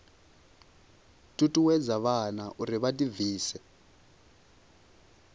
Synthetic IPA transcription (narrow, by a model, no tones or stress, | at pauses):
tʼutʼuwɛd͡zaβanaʔuɾiβatʼiviːsɛ